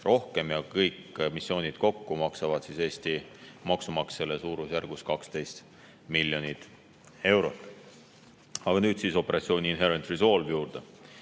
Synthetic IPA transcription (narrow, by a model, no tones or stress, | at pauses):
ro̞hke̞mjɑkɤjkmisːio̞ːnʲid̪̥ko̞kːumɑksɑvɑd̪sise̞ːst̪imɑksumɑkselesuːɾusjærɡ̥uskɑkst̪e̞jst̪ | milʲːjo̞nit̪ˑ | e̞wɾo̞t̪ːˑ | ɑɡ̥ɑnyːd̪̥siso̞pːe̞ɾɑt̪sio̞ːnʲiinɦe̞ɾent̪riso̞lvjuːrd̪̥e